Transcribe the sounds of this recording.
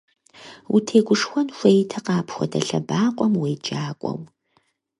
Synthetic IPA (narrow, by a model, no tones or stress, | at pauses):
wutʰeːɡʷʊʂxʷɔnxʷejtʰɐqɑːpʰxʷɔ̰dɐɬɐbaːqʷʼɔmweːd͡ʒʼaːkʷʼɔ̰w